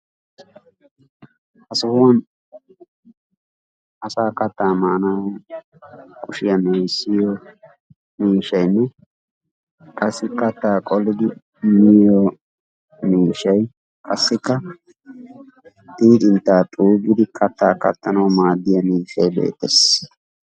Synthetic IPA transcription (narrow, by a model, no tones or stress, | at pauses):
hɐsʊhʊwɐn | ʔɐsaːkɐt̪ːaːmaːna | kʼʊʃɪjɐmeːsːɪjɔ | miːʃɐjnːɛ | kʼɐsːɪkɐt̪ːaːkʼɔlːɪd̪ɪ | mɪjɔ | miːʃɐj | kʼɐsːɪkːɐ | t̪iːd̪ɪnt̪ːaːt̪ʼuːɡɪd̪ɪkʰɐt̪ːaːkɐ̰t̪ːɐnɐwmaːd̪ːɪjɐmiːʃɐjbḛːt̪ːɛs